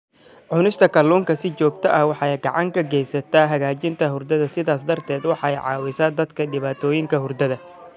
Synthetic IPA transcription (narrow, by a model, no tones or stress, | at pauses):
ʕʊnɪʃt̪ʰɐkʰɐluːŋkʰɐsɪt͡ʃɔːɡ̚t̪ʰɐʔɐhwɑħɑjɡɑʕɑŋkʰɐɡɛjsɐt̪ʰaːɦɐɣaːt͡ʃɪnt̪ʰɐɦʊrd̪ɐðɐsɪðaːs̬d̪ɐrt̪ʰɛːd̪wɑħɑɛjʕɑ̰ːwɪsaːd̪ɐd̪kʰɐɖɪβaːt̪ʰɔːjɪŋkʰɐɦʊrd̪ɐðɐ